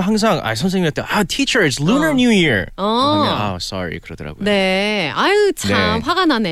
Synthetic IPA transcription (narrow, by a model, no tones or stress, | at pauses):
ɦaŋs̬ʰaŋa̰is̬ʰʌms̬iŋateʔatʰit͡ʃə˞ɪtslunənjujiɹʌasɑ̰ɾḭkɯɾʌdʌ̰ɾa̰ɡojne̞at͡ɕʰneaɸwaɡanane